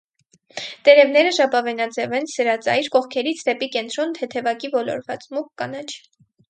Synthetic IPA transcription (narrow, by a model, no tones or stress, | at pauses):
t̪ɛɾɛvnɛɾəʃɑpɑvɛnɑd͡zɛvɛnsəɾɑt͡sɑ̰jɾkɔχkʰɛɾit͡sʰd̪ɛpikɛnt̪ɾɔnt̪ʰɛt̪ʰɛvɑkivɔlɔ̰ɾvɑt͡smukːɑnɑt͡ʃʰ